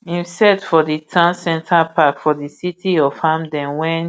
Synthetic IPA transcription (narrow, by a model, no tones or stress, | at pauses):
ĩnstɛdfɔditʰãnsɛ̃ntʰapʰakfɔdisitʰiɔv̥hãmdɛ̃nwɛ̃n